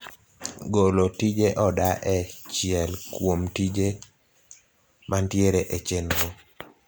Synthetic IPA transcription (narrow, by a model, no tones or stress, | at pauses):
ɡolotid͡ʒeʔɔdaʔɛt͡ʃɪɛlkwomtid͡ʒe | mantjeɾeʔet͡ʃenɾo